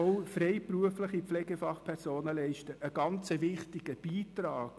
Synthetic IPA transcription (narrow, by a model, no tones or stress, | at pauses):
ɔwfɾɛɪpɾuəfləχipflɛɡɛfɑχpʰɛrsoːnəlɛɪʃtəʔəɡɑnt͡səʋɪχtiɡ̥əb̥iːtɾɑːk